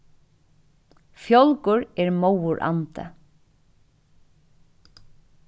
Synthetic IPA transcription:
fjɔlkʊɹɛɹmowʊɹʔa̰nt̪ə̰

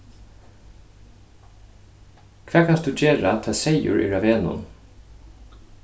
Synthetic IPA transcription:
kʰvɛːkʰanstd̪uːd͡ʒeːɹat̪ʰɛːsɛjʊ̰ɹʔḭɹaʋeːnʊ̰n

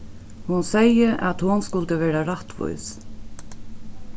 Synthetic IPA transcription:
hʊnsɛjəʔæ̰t̪hʊnskʊlt̪əʋɛːɾaɾaht̪vʊ̰js

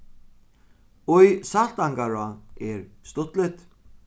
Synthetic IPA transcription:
ujsalt̪aŋkaɾaɛɾst̪ʊt̪lɪt̪

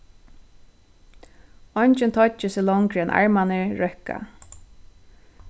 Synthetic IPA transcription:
ɔɲt͡ʃɪnt̪ʰɔt͡ʃɪsɪlɔŋkɾɛnʔa̰ɹmanɪɹœhka̰

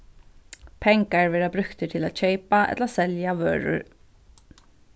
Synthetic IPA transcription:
pʰɛŋkaɹʋɛːɹabɾʏkt̪ət̪ʰɪla̰ːd̪ɕœɪpaʔɛ̰t̪lasɛljaʋø̰ːɹʊ̰ɹ

